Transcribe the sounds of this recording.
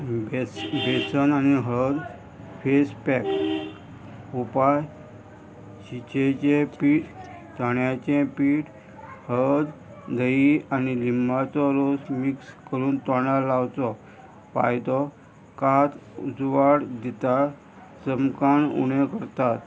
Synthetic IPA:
besənaniɦəɭd̪ | fespɛk | upaj | ɕit͡ɕet͡ɕepiːʈ | t̪əɳjat͡ɕẽpiːʈ | həɭd̪ | d̪ʱəianilimbʱat͡sɔɾosmikskəɾuːnt̪ɔɳalawt͡sɔ | pa̰jd̪ɔ | kat̪ud͡zʋaɽd̪it̪a | səmkaɳṵɽẽkəɾt̪at̪

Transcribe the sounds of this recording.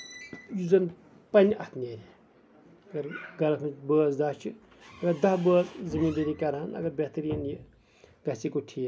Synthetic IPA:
juzɐn | pɐnʲʔɐt̪neːɾʲi | ɐɡɐɾɡɐlɐkʰɨt͡ʃbəːzd̪ɐt͡ʃʰɨ | ɐɡɐɾd̪ɐsbəːzzɨmiːnb̪iɾikɐɾɐnɐ̰ɡɐɾbʲeht̪ɾiːnji | ɡɐsikuʈʰi

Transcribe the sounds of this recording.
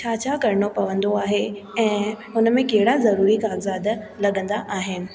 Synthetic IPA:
t͡ɕʰaːt͡ɕʰaːkɐɾɪɳ̃opɐʋə̃nd̪oaːɦe | ɛ̃ː | ʊnmẽkɐɦɪɽazɐɾuːɾikaːɡzaːd̪ | lɐɠə̃nd̪aʔaːɦɪnɪ̆

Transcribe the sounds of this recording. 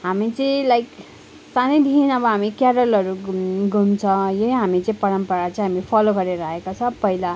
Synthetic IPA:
ɦamit͡sʌĩlajk | sanʌjd̪ʱinʌbʌɦamikjaɽʌlʌɾuɡumt͡sʰʌ̃jʌnɦamit͡sʌĩpʌɾʌmpʌɾat͡sʌĩɦamipʰʌloɡʌɾeɾaɦekot͡sʰʌpʌɦila

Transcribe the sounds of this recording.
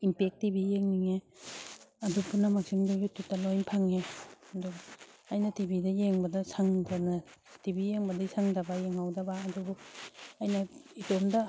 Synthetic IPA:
impek̚tibijeŋniŋe | ɐdupunamak̚siŋduɡututːɐlojnpʰaŋeɐduajnɐtibidɐjeŋbɐdɐsaŋdɐnɐtibijeŋbɐdɐisaŋdɐbɐjeŋawdɐbaːdubuajnɐitomdɐ

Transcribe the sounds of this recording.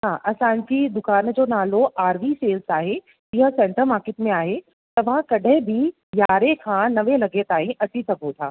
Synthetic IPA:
ɦaːʔɐsãːɲd͡ʑid̪ʊkaːnd͡ʑoːnaːloʔaːɾʋiseːlsaːɦe | ɪɦə̆sɛ̃ːɳʈəɾmaːɾkɪːʈmẽaːɦe | t̪ɐʋ̤ãkɐɖʱəɦɪ̃bʱɪ | jaːɾekʰãnɐʋelɐɡet̪aːɦĩʔɐt͡ɕisɐɡʱot̪ʰaː

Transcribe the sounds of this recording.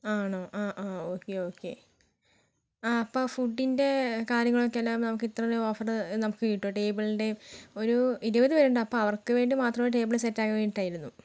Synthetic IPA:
aːɳoːʔaːʔaːoːkːeoːkːe̞̰ | aɐpːoːfuɖːinde̞kaːɾjɐŋːɐɭokːeɐlːaːmnɐmukːɨit̪rɐɾeo̞ːfɐrɨnɐmukːɨkiʈːoːʈe̞ːbɨɭinde̞o̞ɾuiɾubɐðɨʋɐɾuɳɖaːɐpːoːɐʋɐrkɨʋe̞ːɳɖimaːt̪rɐmoɾuʈ̬e̞ːbɨɭɨsetːaːɣɐʋeːɳɖiʈːaːjiɾunːu

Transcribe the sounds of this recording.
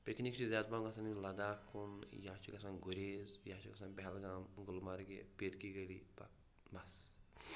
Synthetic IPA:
peknikt͡ʃizʲaːt̪bamɡɐsaːnilɐd̪aːkunjaːt͡ʃʰikɐsãnɡuɾezjat͡ʃʰikɐsãnbɛɦɛlɡaːmɡulmaɾɡḛpiɾkiɡɐlḭba̰ | mɐs

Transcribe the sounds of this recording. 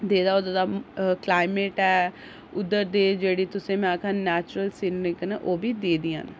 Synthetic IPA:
d̪eːd̪aːoːd̪aːd̪aːklaːɪmeːʈɛː | ʊd̪əɾd̪eːd͡ʒeːɽiːt̪ʊsẽːmɛ̃ːkʰãːnɛːt͡ʃɾəlsɪnːɪknʔoːbiːd̪eːd̪iːa̰n

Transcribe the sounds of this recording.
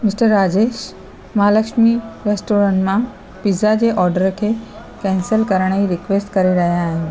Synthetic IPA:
mɪsʈəɾːaːd͡ʑeːʃ | maːləkʃmiɾesʈoːɾə̃ɳʈmã | pizad͡ʑeːʔɔːɾɖəɾkʰeː | kɛ̃ːnsəlkɐɾəɽ̃iɾɪkʋeːsʈkɐɾeɾɐɦijãːɦɪnɪ̆

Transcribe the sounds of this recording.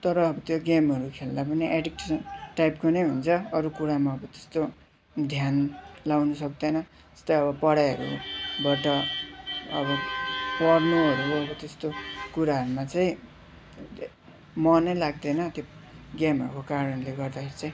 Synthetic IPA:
t̪ʌɾʌːbʌt̪joɡamʌɾukʰelnapʌniʔeɖikʈesʌnʈajpkonʌjɦunt͡sʰʌʌɾukuɾamaʌbʌt̪e̥st̪o | d̪ʱjanlawnusʌk̚d̪ʌnʌ | e̥st̪ʌjʌβʌpʌɽajɦʌ̰ɾṵbʌʈʌ | ʌbʌpʌrnuʌɾuʌbʌt̪est̪okuɾaɦʌɾumat͡saĩ | mʌnʌjlaɡd̪ʌnʌt̪jo | ɡamɦʌɾukokaɾʌnleɡʌrd̪akʰeɾit͡saĩ

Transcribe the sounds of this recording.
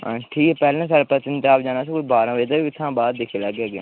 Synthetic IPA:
ʈʰiːkɛːpɛːlnãs̬aːɾpət͡ʃɪnt̪eaːpd͡ʒaːnaːs̬ĩːkʊd͡ʒbaːɾãːʋeːd̪aːiɪt̪ʰːãːbaːd̪d̪ɪkʰeːlɛːɡɛːɡḛː

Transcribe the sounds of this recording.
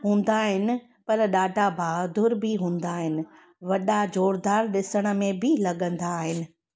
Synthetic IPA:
ɦũːn̆d̪aːɦɪnɪ̆ | pɐɾɗaːɖʱabʱaːd̪ʱʊɾbʱɪɦũːn̆d̪aːɦɪnɪ̆ | ʋɐɗad͡ʑoːɽd̪aːɾɗɪsəɽ̃ə̆mẽbʱɪlɐɠə̃nd̪aːɦɪnɪ̆

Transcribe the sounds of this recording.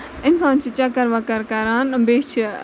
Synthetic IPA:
ɪnsãːnt͡ʃʰit͡ʃɐkəɾʋakəɾkɐɾaːnbeːt͡ʃʰ

